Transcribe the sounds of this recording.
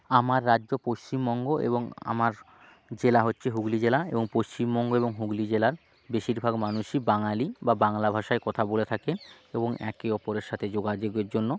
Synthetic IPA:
amaɾːadːd͡ʑopoʃt͡ɕimbɔŋɡoʔḛboŋa̰maɾ | d͡ʑelaɦotːɕʰeɦuɡlid͡ʑelaḛboŋpoʃt͡ɕimbɔŋɡoeboŋɦuɡlid͡ʑelaɾ | beʃiɾbʱaɡmanuʃibaŋalibabaŋlabʱaʃaekɔt̪ʰabolet̪ʰaken | eboŋɛ̰keɔpoɾeɾʃat̪ʰed͡ʑoɡad͡ʑeɡeɾd͡ʑonːo

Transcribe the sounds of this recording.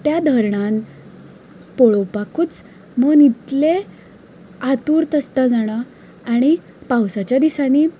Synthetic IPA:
t̪jad̪ʱəɾɳan | poɭowpakuːt͡s | məɡnit̪le | at̪uːɾt̪əst̪əd͡zaɽ̃aː | ɽ̃i | pawsat͡ɕjad̪isaniː

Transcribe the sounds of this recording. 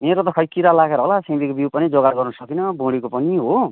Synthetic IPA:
meɾot̪ʌkʰʌjkiɾalaɡeɾʌɦolasẽd̪ikobipʌnid͡zoɡaɡʌrnʌsʌkinʌbõɽikopʌniɦo

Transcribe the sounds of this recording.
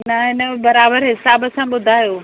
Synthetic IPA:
nɐɦɪnəbɐɾaːbəɾɦɪsaːbəsãɓʊd̪ʱaːjoː

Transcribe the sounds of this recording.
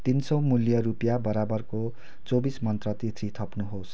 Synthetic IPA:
t̪insʌwmuljʌɾupjabʌɾabʌrko | t͡sobismʌnt̪rʌt̪it̪ʰrit̪ʰʌpnuɦos

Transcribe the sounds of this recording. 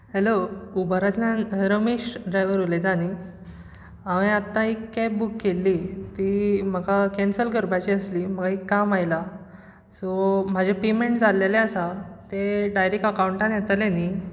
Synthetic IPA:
heloubaɾat̪laɾəmeɕɖɾajʋəɾuled̪añi | aʋẽat̪ːãikːɛp̚bukːelːiːt̪iːm̤əɡakɛnsəlɡəɾbat͡ɕiəsliːm̤əɡaikːamajla | sɔm̤ad͡ʑʱapemeɳʈd͡zalelẽəsat̪eɖajɾekəkauɳʈanjɛt̪aleni

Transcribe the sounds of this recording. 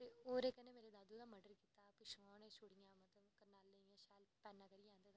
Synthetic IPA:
eoːɾekːɐnẽmeːɾed̪aːd̪ud̪amɐɖəɾkiːt̪aːpɪʃʋaːnẽʃoɽɪjãːmɐt̪əʋkɐnaːlːeẽʃaːlpɛːnːãːkɐɾiãːnd̪eːt̪a

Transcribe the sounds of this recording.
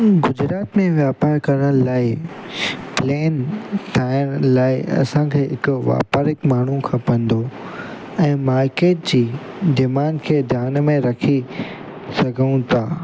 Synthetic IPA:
ɡʊd͡ʑɾaːt̪mẽʋjaːpaːɾkɐɾəɽ̃laːɪ | pleːnt̪ʰaːɪɽ̃laːɪʔɐ̰sãkʰeːɦɪkʊʋa̰ːpaɾɪkmaːɳ̤ũkʰãpɐ̃n̆d̪o | ɛ̃ːmaːɾkeːʈ̚d͡ʑiː | d̪imaːnkʰeːd̪ʱjaːnmẽɾɐkʰi | sɐɡʱəũt̪ʰaː

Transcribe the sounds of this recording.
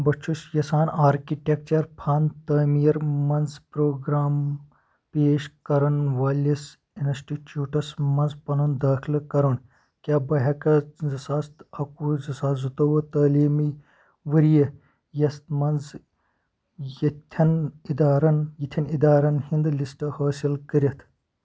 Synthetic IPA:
bɐt͡ʃʰuʃjɐsaːnaːɾkiʈʲek̚t͡ʃɐɾpʰaːnt̪ɐːmiːɾmɐnzpɾoːɡɾaːm | peːʃkɐɾɐnʋaːlʲɐs | inɐsʈit͡ʃuːʈɐsmɐnzpɐnɐnd̪aːkʰilkɐɾɐn | kʲaːbɐɦɐkɐzɐsaːst̪ɐkuzɐsaːzut̪ɐʋɐt̪ɐːliːmi | ʋɐɾijɐ | jɐst̪mɐnz | jɐt̪ʲʰɐnid̪aːɾɐnjit̪ʰɐnid̪aːɾɐnhind̪lisʈɐhɐːsilkəɾʲɐt̪ʰ

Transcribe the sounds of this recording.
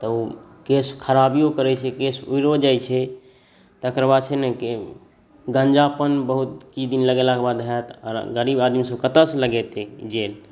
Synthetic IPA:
t̪əu | keskʰəɾabijokəɾɛt͡ʃʰɛkesuiɾod͡ʒajt͡ʃʰɛ | t̪əkɾəbad̪̚t͡ʃʰɛnɛke | ɡə̃nd͡ʒapənbəɦut̪̚kid̪inləɡelakebad̪ɦɛt̪ɔ̰ɾɡəɾibad̪misəbkət̪əsləɡɛt̪ed͡ʒel

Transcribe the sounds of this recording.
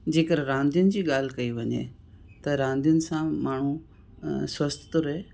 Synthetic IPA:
d͡ʑeːkəɾɾãːnd̪jʊnɪ̆d͡ʑiːɠaːl̤ɪkɐiʋɐɲḛ | t̪ɐɾãːnd̪ijʊnɪ̆sãmaːɳ̤u | swɐst̪t̪ʊɾɐɦeː

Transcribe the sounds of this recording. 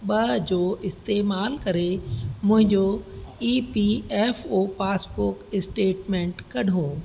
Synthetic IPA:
ɓɐd͡ʑoːɪst̪eːmaːlkɐɾemʊ̃ɦɪ̃ɲd͡ʑoiːpiɛːfoːpaːspʊɾkɪsʈeːʈmẽːɳʈkɐɖʱoː

